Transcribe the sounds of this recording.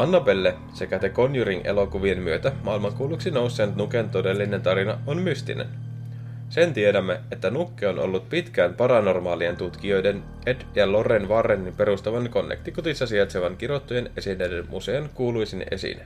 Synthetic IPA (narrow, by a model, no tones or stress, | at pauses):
ɑnːɑpelːe | se̞kæt̪eko̞njyɾiŋʔe̞̰lo̞kuʋie̞nmyøt̪æmɑːilmɑŋkuːluksino̞wsːent̪nukent̪o̞de̞lːine̞nt̪ɑɾinɑonmyst̪ḭnḛn | se̞nt̪iedæmːe̞et̪ːænukːeonʔo̞̰lːut̪pit̪k̟æːnpɑɾɑno̞rmɑːlie̞nt̪ut̪k̟io̞jde̞n | e̞djɑlo̞renʋɑrːenːimpe̞ɾust̪ɑʋɑnko̞nːekt̪ikot̪isːɑsiɑt̪seʋɑŋk̟iɾo̞t̪ːuje̞ne̞sinːejdenmʔuseːnkuːlujsinʔe̞̰sḭne